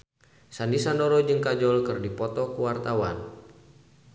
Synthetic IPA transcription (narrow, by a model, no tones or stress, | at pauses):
sandisandɔɾɔd͡ʒɨŋkad͡ʒɔlkɨrdipɔt̪ɔkuwart̪awan